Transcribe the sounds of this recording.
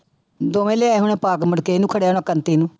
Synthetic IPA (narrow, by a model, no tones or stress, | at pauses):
d̪oːʋẽːleaːɦʊɳ̃ẽːpaːkməɽkeːnũːkʰəɽeaːnõːkənt̪iːnũː